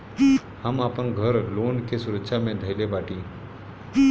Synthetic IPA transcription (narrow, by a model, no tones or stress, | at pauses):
hamapəɳɡʱəɾlonkesuɾətːɕʰamẽd̪ʱəjlebaʈĩː